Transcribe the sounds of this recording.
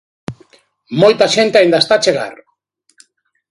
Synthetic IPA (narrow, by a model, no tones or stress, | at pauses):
mojt̪aʃent̪eajnd̪ast̪at͡ʃeɣa̰r